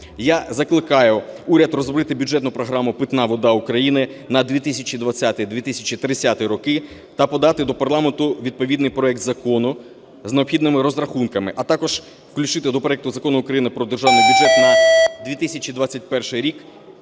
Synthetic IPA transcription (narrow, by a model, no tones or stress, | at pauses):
jazɐklˠɪkɑjʊuɾʲɐd̪rɔzbɾɪt̪ɪbʲudd͡ʒɛt̪nʊpɾɔɦɾɑmʊpɪt̪nɑʋɔd̪ɑʊkɾɐjinɪnɐd̪ʲʋʲit̪ɪsʲɐt͡ʃid̪ʋɐt͡sʲːat̪ɪjd̪ʋʲit̪ɪsʲɐt͡ʃʲit̪ɾɪt͡sʲːat̪ɪjɾɔkɪ | t̪ɐpɔd̪ɑt̪ɪd̪ɔpɐrlˠɑment̪ʊʋʲid̪̚pɔʋʲid̪nɪjpɾɔɛk̚t̪zɐkɔnʊ | zneɔpxʲid̪nɪmɪɾɔzɾɐxunkɐmɪʔɐt̪ɑkɔʒ̥ | wklʲʊt͡ʃɪt̪ɪd̪ɔpɾɔɛk̚t̪ʊzɐkɔnʊʊkɾɐjinɪpɾɔd̪erʒɑwnɪjbʲʊdd͡ʒɛt̪nɐd̪ʋʲit̪ɪsʲɐt͡ʃʲid̪ʋat͡sʲːɐt̚ʲpɛrʃɪjɾʲik